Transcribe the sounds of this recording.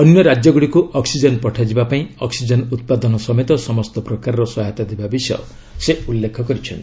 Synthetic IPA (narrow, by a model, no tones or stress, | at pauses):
ɔnjɔɾad͡ʒjɔɡuɽikuʔɔksid͡ʒɔnpɔʈʰad͡ʒibapaĩɔksid͡ʒɔnut̪̚pad̪ɔnɔsɔmet̪ɔsɔmɔst̪ɔpɾɔkaɾɔɾɔsɔɦat̪ad̪ebabisɔjɔ̰ | seulːekʰɔkɔɾit͡ʃʰɔnt̪